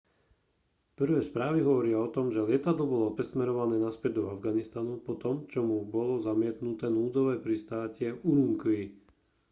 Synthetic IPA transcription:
pr̩ʋɛːspɾaːʋiɦɔʋɔɾiaɔt̪ɔmʒɛlɪɛt̪ad̪lɔbɔlɔpɾɛsmɛɾɔʋanɛːnaspɛd̚d̪ɔavɡanist̪anupɔt̪ɔmt͡ʃɔmubɔlɔzamɪɛt̪nut̪ɛːnuːd͡zɔʋɛːpɾist̪aːcɛuɾuŋkʋi

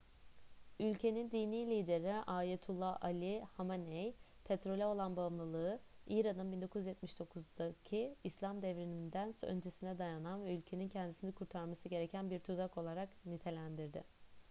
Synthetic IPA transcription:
ylʲcʰe̞nind̪iːniːlʲiːd̪e̞ɾiʔaːjet̪ʰulˠːaalʲihamanɛj | pʰet̪ɾo̞lʲɛo̞lˠanbamlˠɯlˠɯɯiːɾanɯnbind̪okuzyjɛt̪miʃd̪o̞kʰuzd̪acʰiːslʲamd̪ɛvɾinind̪ænsø̰nd͡ʒe̞sinɛd̪ajananvɛylʲcʰe̞nincʰɛnd̪isinɛkʰuɾt̪ʰaɾmasɯɟe̞ɾe̞cʰænbiɾt̪ʰuzako̞lˠaɾaknit̪ʰe̞lʲænd̪iɾd̪ɪ̰

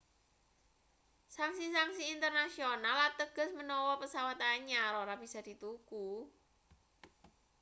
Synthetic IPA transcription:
saŋsisaŋsiːnt̪ərnasionalat̪əɡ̥ə̤smənɔwɔpəsawat̪aɲaɾoɾab̥isad̪̥i̤t̪uku

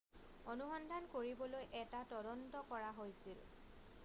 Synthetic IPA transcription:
onuxɔndʱankoɹibɔlojʔɛtatɔdɔntɔkɔɹaɦojsil

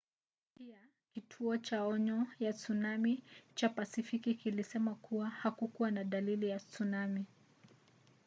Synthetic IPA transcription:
pia | kitʰuɔt͡ʃaɔɲɔjat͡sunamit͡ʃapasifikikilisɛmakʰuwahakukuwanaɗalilijat͡sunami

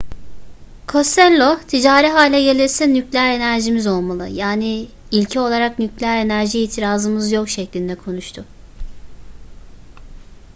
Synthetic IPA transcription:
kʰo̞st̪ɛlʲːot̪ʰid͡ʒaːɾiɦaːlʲɛɟe̞lʲiɾsɛnyclʲæɾe̞næɾʒimizo̞lˠmalˠɯjaːni | ilʲcʰɛo̞lˠaɾaknyclʲæɾe̞næɾʒiiːt̪ʰiɾaːzɯmɯzjo̞kʃɛclʲind̪ɛkʰo̞nuʃt̪ʰʊ

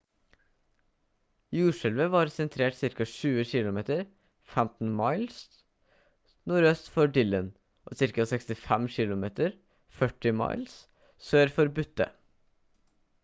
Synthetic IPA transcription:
juːʂɛlʋəʋɑːɾsɛnt̪ʰɾeːʈsɪɾkɑʃʉːəʃɪlʊmeːt̪əɾ | fɛmt̪n̩mɑɪls | nuːɾøːst̪fɔɖɪlən | ʔo̰ːsɪɾkɑsɛkst̪ɪfɛmʃɪlʊmeːt̪əɾ | fœʈɪmɑ̰ɪls | søːɾfɔɾbʉt̪ːə̰

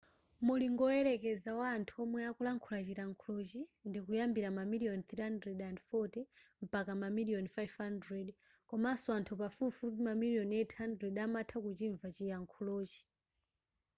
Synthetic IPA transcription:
muliŋɡɔɔɛɾɛkɛd͡zawaːntʰuɔmwɛakulaŋkʰulat͡ʃiɾaŋkʰulot͡ʃindikujambiɾamamiliɔnt̪ɾihandɾɛdandfɔtɛm̩pakamamiliɔnfajvhandɾɛd | kɔmasuantʰupafufupimamilijɔnɛtʰhandɾɛdamatʰakut͡ʃiɱvat͡ʃijaŋkʰuloːt͡ʃi̥

